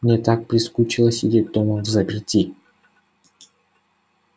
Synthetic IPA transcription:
mnʲet̪ak̚pɾʲɪskut͡ɕɪlˠəsʲɪdʲet̚ʲd̪oməvzɐpʲɪrtʲi

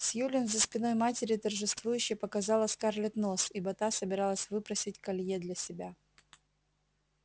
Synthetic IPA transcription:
sjulʲɪnzəspʲɪno̞jmatʲɪɾʲɪt̪ərʐɨst̪vujʉɕːɪjpəkɐzɑlˠəsʲkarlʲɪt̪no̞sibɐt̪asəbʲɪɾɑlˠəsʲvɨpɾəsʲɪtʲkɐlʲjed̪lʲɐsʲɪbʲa

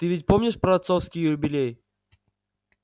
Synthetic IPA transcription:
t̪ɨvʲɪtʲpomnʲɪʂpɾɐɐt̪sofskʲɪjʊɾʊbʲɪlʲej

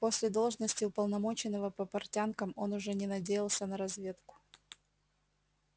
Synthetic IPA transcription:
po̞sʲlʲɪd̪o̞lˠʐnəsʲtʲɪʊpəlˠnɐmo̞t͡ɕɪnːəvəpəpɐrtʲankəmo̞nʊʐɛnʲɪnɐdʲejɪlˠsʲənəɾɐzvʲe̞t̪kʊ̥

